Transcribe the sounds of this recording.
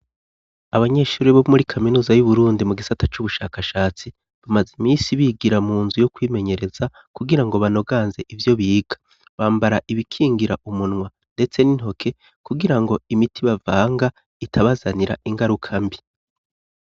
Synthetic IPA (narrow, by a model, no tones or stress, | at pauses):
aβaɲe̞ʃuːɾiβomuɾikʰaminuːzajuβuɾuːndimuɡisatat͡ʃuβuʃaːkaʃaːt͡si | βamazimiːsiβiɡiɾamuːnzujokwiːme̞ɲe̞ɾe̞za | kuɡiɾaŋɡo̞βano̞ɡaːnze̞ʔivjo̞βiːɡ̥ḁ | βaːmbaɾaʔiβikʰiːŋɡiɾaʔumunŋwa | nde̞t͡se̞nin̥ho̞kʰe̞ | kuɡiɾaŋɡo̞imitʰiβavaːŋɡa | itʰaβazaniɾa̰ʔiŋɡaɾukʰambi